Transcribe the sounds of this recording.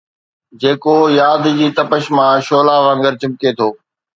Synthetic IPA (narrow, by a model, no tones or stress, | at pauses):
d͡ʑeːkoːjaːd̪d͡ʑiːt̪əpəʃmãːʃoːlaːʋə̃ŋɡəɾt͡ɕɪmket̪ʰoː